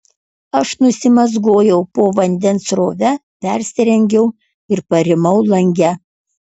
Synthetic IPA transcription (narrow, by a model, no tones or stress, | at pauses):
ɐʃnʊsʲɪmɐzɡoːjɛʊpoːʋɐnʲd̪ʲɛnsɾoːʋʲɛpʲɛˑɾʲsʲɪɾʲɛŋʲɡʲɛʊ | ɪɾpɐɾʲɪmɐʊlˠɐŋʲɡʲɛ